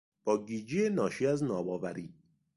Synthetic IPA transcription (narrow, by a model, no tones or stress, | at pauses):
b̥ɒːɡid͡ʒienɒːʃiæznɒːbɒːvæɾiː